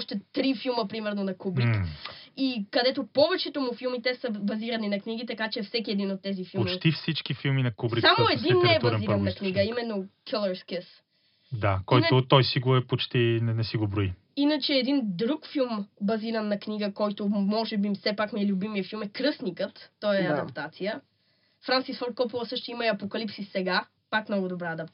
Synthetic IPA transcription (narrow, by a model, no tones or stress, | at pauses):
ʃt̪ɛt̪ɾifilˠməpɾimɛɾnonɐkubɾikikɐd̪ɛt̪opɔvɛt͡ʃɛt̪omʊfilˠmit̪ɛsəbɐziɾɐninɐkniɡit̪ɐkat͡ʃɛfsɛk̬iɛd̪inot̪ːɛzifilomt͡ʃit̪ifsit͡ʃkifilˠminɐkubɾiksamoɛd̪inːɛɛb̪ɐɾiɾɐnːɐkniɡəimɛnːokʰəlˠɐɾskɛs | d̪akɔjt̪ʊt̪ɔjsiɡoɛpot͡ʃt̪inɛnɛsiɡobɾoi | inət͡ʃɛːd̪ind̪ɾukfilˠmbɐziɾɐnːɐkniɡəkɔjt̪omɔʒɛbisɛpakmiɛlʲʊbimiəfilˠmɛkɾɤsnikət̪ːɔjɛɐd̪ɐpt̪at̪sijə | fɾansisfɔɾt̪̚kɔpilˠɐsɤʃt̪ʊiməiɐpokɐlipsisɛɡa | pakmnɔɡod̪obɾaɐd̪ɐp̪̚